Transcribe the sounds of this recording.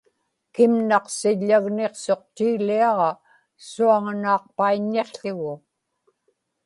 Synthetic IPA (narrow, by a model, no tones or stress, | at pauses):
kɪmnɑqsɪʎːaɣne̞qso̞q̚t̪iːliɑʁɑ | suaŋanɑːq̚paiɲːe̞qɬʊɣʊ